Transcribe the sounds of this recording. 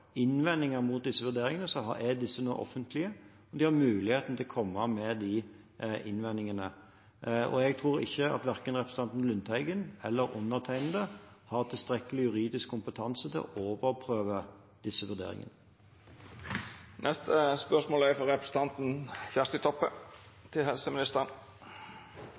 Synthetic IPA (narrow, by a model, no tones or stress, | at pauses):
ɪnʋɛnːɪŋəɾmʊt̪̚d̪ɪsːəʋʉʁd̪eːɾɪŋənəsɔɦɑ̰ɛd̪ɪsːənuːʔɔ̰fːənt̪ʰlɪə | ɔd̪ɪhɑʁmʉːlɪheːt̪n̩t̪ʰɪlɔkʰɔmːɑmɛd̪i | ʔɪnʋɛnːɪŋənə | ɔ̰ɛɡ̚t̪ʰʁuːɾɪ̰çːəɑ̰t̪ʋæʁkənʁɛpɾəsət̪ɑnt̪n̩lʉnt̪hæɪɡənɛlːəɾʊnːəʁt̪ʰæɪnən̩d̪əhɑʁt̪ʰɪlst̪ʁɛkːəlɪjʉʁiːd̪ɪskʰːʊmpət̪ʰɑnsət̪ʰɪlɔ̰ʔoːʋəʁpʰʁøːʋə | d̪̥ɪsːəʋʉʁd̪ḛːʁɪ̰ŋə̰nə | nʔɛst̪ʰəspœʂmoːlæfɔɾɛpɾəsə̥t̪ɑnt̪n̩çjæst̪ət̪ʰɔpːət̪ʰɪlhɛlsəmɪnɪst̪əʁən